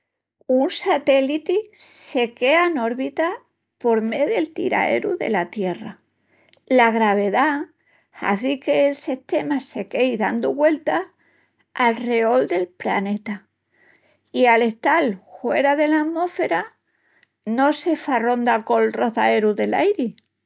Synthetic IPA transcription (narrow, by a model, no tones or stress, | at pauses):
unsat̪e̞lit̪ise̞keano̞ɾβit̪a | po̞ɾme̞ðe̞lt̪ḭɾa̰e̞̰ɾuðe̞̰lat̪je̞ra | laɣɾaβ̞e̞ða | ha̰θike̞ːlseht̪e̞mase̞ke̞jðand̪oβwe̞lt̪a | alre̞o̞ld̪e̞lpla̰ne̞t̪a | iale̞ht̪alfwe̞̰ɾaðe̞lamo̞fe̞ɾa | no̞se̞faro̞nd̪ako̞lro̞θae̞ɾuðe̞la̰jɾi